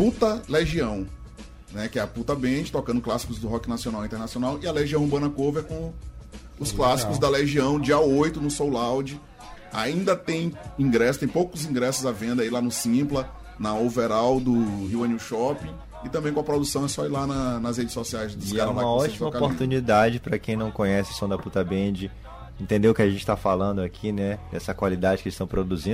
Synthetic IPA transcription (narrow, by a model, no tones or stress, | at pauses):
put̪ɐleʒiɐ̃w̃ | nɛkɪɛɐput̪ɐbẽt͡ʃɪ̥t̪ɔkɐ̃nd̪ʊklasi̥kʊzd̪ʊɦɔkɪnasiõnawĩt̪ɛɾnasionawɪɐleʒiɐ̃w̃bɐ̃nɐkoveɾkõ | ʊsklasi̥kʊzd̪ɐleʒiɐ̃w̃d͡ʒiɐojt̪ʊnʊsowlawd͡ʒɪ | a̰ĩnd̪ɐt̪ẽj̃ĩɡɾɛsʊ̥t̪ẽj̃powkʊzĩɡɾɛsʊzavẽnd̪ɐilanʊsĩplɐ | nɐoveɾawd̪ʊhiwɐ̃niʃɔpĩ | ɪt̪ɐ̃mbẽj̃kõɐpɾod̪usɐ̃w̃ɛsɔilanɐnɐshed͡ʒɪsɔsiajzd̪ʊsɡaɾãmaɐɔt͡ʃimmɐokapoɾt̪ũnid̪ad͡ʒɪpɾɐkẽj̃nɐ̃w̃kõɲɛsɪ̥sõw̃d̪ɐput̪ɐbẽd͡ʒɪ | ẽt̪ẽnd̪eʊkɪaʒẽnt͡ʃɪ̥t̪afalɐ̃nd̪ʊakʰinɛd̪ɛsɐkwalid̪ad͡ʒɪkɪist̪ɐ̃w̃pɾod̪uzĩ